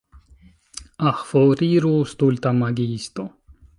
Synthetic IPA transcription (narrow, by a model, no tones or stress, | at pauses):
ɐhfoːɾiːɾuːst̪ult̪ɐmɐɡiːst̪o